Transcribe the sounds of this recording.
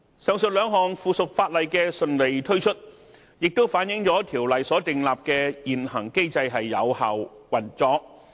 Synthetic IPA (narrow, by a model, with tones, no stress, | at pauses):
sœː˨˧ŋsɵ˨t̚lœː˨˧ŋɦɔː˨ŋfuː˨sʊ˨k̚faː˧t̚lɐ˨jkɛː˧sɵ˨˧nle˨jt̪ʰɵ˥ɥt͡ʃʰɵ˥t̚ | jɪ˨k̚t̪o˥wfaː˨˥njɪ˨˥ŋt͡sɔː˨˥t̪ʰiː˨˩wlɐ˨jsɔː˨˥t̪ɪ˨ŋlaː˨p̚kɛː˧jiː˨nhɐ˨˩ŋke˥jt͡sɐ˧jɦɐ˨jːɐ̰˨˧whaː˨˩wwɐ˨˩nt͡sɔː˧k̚